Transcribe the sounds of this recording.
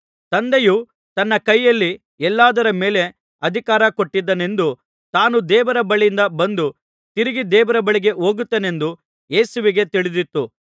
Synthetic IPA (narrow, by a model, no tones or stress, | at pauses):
t̪ɐnd̪eju | t̪ɐnːɐkɐjːɐlːi | ɛlːaːd̪ɐɾɐmeːle̞ | ɐd̪ʱikaːɾɐko̞ʈːid̪ːɐne̞nd̪u | t̪aːnud̪ɛːʋɐɾɐbɐɭjind̪ɐbɐnd̪u | t̪iɾiɡid̪ɛːʋɐɾɐbɐɭiɡe̞ʔo̞ːɡut̪ːeːne̞nd̪u | je̞ːsuʋiɡe̞t̪iɭid̪it̪ːu